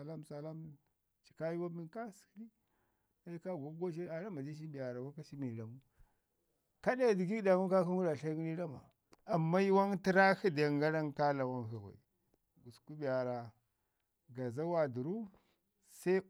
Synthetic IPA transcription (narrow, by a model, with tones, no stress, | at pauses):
a˨la˦msa˨la˦m | t͡ʃi̥˨ka˦ji˦wa˦mi˦nka˦skɾi˦ | a˦ka˦ɡa˨˦ɡo˦ʃ̬i˦a˨ɾa˦ma˨di˦ʃ̬i˦bi˨ja˨ɾa˨wa˦ka˦ʃi˦mi˨la˨mu˦ | ka˦da˦˨di˨ɡi˦da˨mu˦ka˦ku˦ŋu˦ɾa˨ɬa˦ɡi˦ni˦ɾa˦ma˨ | a˨mːa˦ji˦wa˦ŋti˦ɾa˦hi˦da˨a˨ŋɡa˦ɾa˦ŋka˦la˨wa˦ŋha˨wa̰˨i˨ | ɡu˨sku˦bi˨a˨ɾa˨ | ɡa˨za˦wa˨du˨ɾu˦ | sa˦i˦